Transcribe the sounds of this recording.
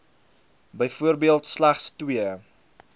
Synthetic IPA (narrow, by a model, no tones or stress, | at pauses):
bəjfuərbiəlˠtslæχstwiə